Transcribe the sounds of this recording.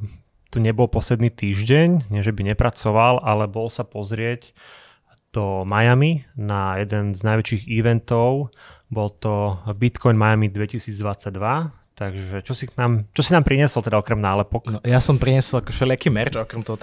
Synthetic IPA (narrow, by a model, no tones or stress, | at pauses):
t̪uɲɛbɔlpɔslɛd̪niːt̪iːʒɟɛɲɲɪɛʒɛbiɲɛpɾat͡sɔʋalʔalɛbɔlsapɔzɾɪɛc | d̪̥ɔmajaminajɛd̪ɛnznajʋɛt͡ʃiːɣiʋɛnt̪ɔʊbɔlt̪ɔbit̪kɔjnmajamid̪ʋɛcisiːd͡zd̪ʋat͡saɟ̚d̪ʋa | t̪aɡʒɛt͡ʃɔsiknaːmt͡ʃɔsinaːmpɾiɲɛsɔlˠt̪ɛd̪aɔkɾɛmnaːlɛpɔknɔjasɔmpɾiɲɛsɔlakɔʃɛlɪakiːmɛɾd͡ʒɔkɾɛmt̪ɔɦɔt̪